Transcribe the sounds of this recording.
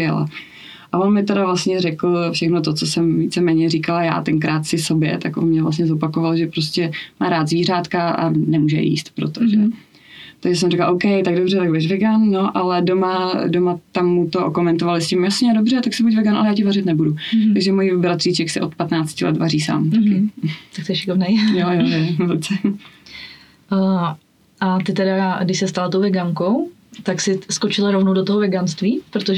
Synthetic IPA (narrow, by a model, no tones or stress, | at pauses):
jɛla̰ | ʔavonmɪt̪ɛɾavlastɲɛrɛkl̩fʃɛxnot̪ot͡sosɛmviːt͡sɛmɛːɲɛriːkalaja̰ːt̪ɛŋkɾaːt̪sɪso̞bjɛ̰t̪akʔonmɲɛvlas̬tɲɛzopakovaloʒɛpɾoscʲɛmaːɾaːt̪zviːraːt̪kaʔa̰nɛmuːʒɛ̰jḭːst̪pɾo̰t̪oʒɛ | t̪aɡʒɛs̬ɛmriklaʔowkɛjt̪aɡdobr̝ɛt̪aɡ̚budɛʃvɛɡanːo̞ʔalɛdomadomat̪amːut̪ookomɛnt̪ovalɪscɪmjasɲɛdobr̝ɛt̪aksɛbucvɛɡanʔa̰lɛjaːcɪvarɪt̪nɛbudut̪aɡʒɛmojibɾat̪r̥iːt͡ʃɛksɛʔo̰t̪pat̪naːt͡scɪlɛ̰t̪variːsa̰ːmt̪akɪt̪ak̚t̪ɛʃɪkovnɛjjojojovott͡sɛ | ʔat̪ɪt̪ɛdaɡdɪʃsɛst̪alat̪owvɛɡaŋko̞w | t̪aksɪskot͡ʃɪlaɾovnowdot̪oɦovɛɡanst̪viːpɾot̪oʒ